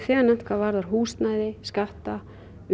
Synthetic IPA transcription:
θɛːanɛn̥t̪kʰvavaɾðaɾ̥ɦuːst̪naːjðɪskaht̪a

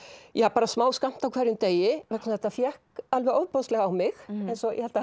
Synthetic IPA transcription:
jʔɛhapaːɾasmaːwskam̥t̪awkʰvɛɾjʏmt̪eːjɪvɛt̪θɛht̪afjɛhkalvɛɾoðpowst̪lɛɣawmɪxejnsɔjʔɛhɛlt̪a

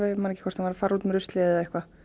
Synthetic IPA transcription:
vɪmanɛcɪ̥kʰvɔst̪anvaɾḁfaɾuːt̪mɛɾʏst̪lɪðaɛhkva

